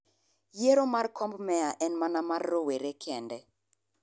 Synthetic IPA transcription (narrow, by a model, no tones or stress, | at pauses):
jeɾomarkʰɔmbmɛaʔɛnmanamarːoweɾekʰɛndɛ